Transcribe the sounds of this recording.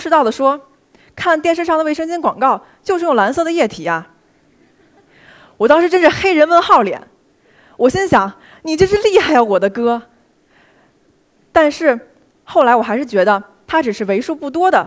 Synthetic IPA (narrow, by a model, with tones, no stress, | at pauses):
ʂɻ̩˥˧ɑ˥˩ʊd̪ə˩ʂwɔ˥ | kʰa˥˧nt̪jɛ˥˧nʂɻ̩˥˧ʂɑ˥˩ŋd̪ə˧wʂɤ˥ŋt͡ɕɛ˥nkwɑ̰˨˩ŋkɑ˥˩ʊ | t͡ɕjʊʂɻ̩˥˩jʊ˥˩la˧˥nsɤ˥˩d̪ə˩jɛ˥˩t̪ʰi˨˩˦a˧ | wɔ˨˩t̪̬ɑ˥ŋʂɻ̩˧˥ʈ͡ʂə˥nʈ͡ʂə˨˩xe˥ɪɻə˧˥nwə˧˥nxɑ˥˩ʊljɛ̰˨˧˩n | wɔ˨˩ɕjɛ˥nɕjɑ˨˧˥ŋ | ni˨˩t͡ɕjo˥˧ʂɻ̩˥˧li˥˧xa˥˩ɪjɑ˧˩ʊwɔ˨˩d̪ə˦kɤ˥ | t̪a˥˧nʂɻ̩˥˧ | xo˥˩ʊla˧˥ɪwɔ˨˩xa˧˥ʂɻ̩˥˩t͡ɕɥɛ˧˥d̪ə˧ | t̪ʰa˥ʈ͡ʂɻ̩˨˩ʂɻ̩˥˩we˧˥ɪʂu˥pu˥˩t̪wɔ˥d̪ə˨